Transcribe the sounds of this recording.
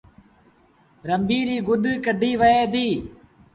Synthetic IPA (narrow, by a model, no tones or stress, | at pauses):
ɾəmbiːɾiːɡʊɗkəɖʱiːʋəeːd̪iː